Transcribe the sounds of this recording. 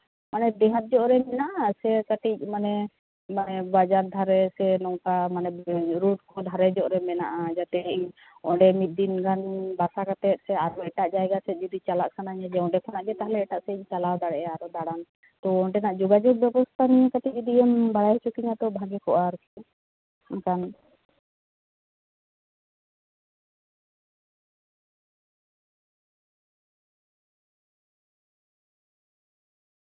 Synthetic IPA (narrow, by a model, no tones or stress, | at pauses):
manɛd̪ɛɦãt̪̚d͡ʒɔʔɾɛmɛnaʔasɛkaʈic̚ˀmanɛ | manɛbad͡ʒaɾd̪ʱaɾɛsɛnɔŋkamanɛɾuʈ̚kɔd̪ʱaɾɛd͡ʒɔʔɾɛmɛna̰ʔad͡ʒat̪ɛiɲ | ɔ̃ɖɛmit̪̚d̪inɡanbaɾsakat̪ɛt̪̚sɛaɾɔɛʈaʔd͡ʒajɡasɛt̪̚ˀd͡ʒɔd̪it͡ʃalaʔsanaɲad͡ʒɛw̃ɖɛkʰɔnaʔɡɛt̪aɦlɛɛʈaʔsɛiɲt͡ʃalawd̪aɽɛʔaɾɔd̪aɽan | t̪ɔɔ̃ʈɛnaʔd͡ʒɔɡad͡ʒɔɡ̚bɛbɔst̪ʰanijɛkaʈid͡ʒɔd̪iʔɛmbaɽajɦɛt͡ʃʰukiɲat̪ɔbʱaɡɛkɔʔaɾkiɛ | akan